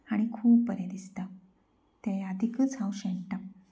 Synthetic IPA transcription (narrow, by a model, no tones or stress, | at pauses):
aɽ̃ikʰuːpːəɾjãd̪ist̪a | t̪ajəd̪ʱikət͡sawɕeɳʈa